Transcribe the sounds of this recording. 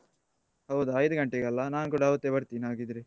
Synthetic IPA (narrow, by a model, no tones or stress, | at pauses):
hɐwd̪uɐjd̪uɡɐɳʈeɡɐlːɐnaːnukuːɽaɦɐʋut̪ːebɐɾt̪inɦaːɡid̪iɾe